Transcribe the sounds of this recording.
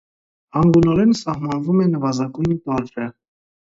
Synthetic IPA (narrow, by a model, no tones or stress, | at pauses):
ɑŋɡunɔɾɛnsɑhmɑnvumɛnəvɑzɑɡujnt̪ɑɾɾə